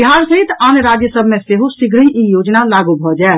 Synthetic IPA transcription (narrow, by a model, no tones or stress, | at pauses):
iɦaɾsəɦit̪anɾad͡ʒjəsəbʱmẽseɦosiɡɾəĩijod͡ʒnalaɡubʱɔd͡ʒaɛ